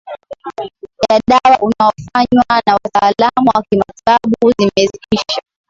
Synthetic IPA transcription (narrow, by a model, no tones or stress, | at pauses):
ʄaɗawaʔunaɔfaɲwanawataːlamuwakimataɓuzimɛzikiʃa